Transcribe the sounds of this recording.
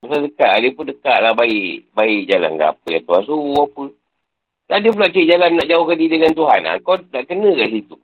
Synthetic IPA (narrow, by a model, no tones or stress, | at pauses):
bəsadəkaʔadiəpundəkaʔlabaiʔbaid͡ʒala̰nɡa̰pəjat̪uhansuɔpə | ladiəpulat͡ʃiʔd͡ʒalanːaʔd͡ʒaohkadidəŋant̪uɦana̰kɔdaʔkənəkaʔs̬it̪u